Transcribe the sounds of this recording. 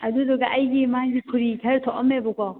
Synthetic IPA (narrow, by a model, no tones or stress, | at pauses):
ɐdudoɡɐʔɐjɡimaɡikʰuɾikʰɐɾtʰoʔɐmːebɔkɔ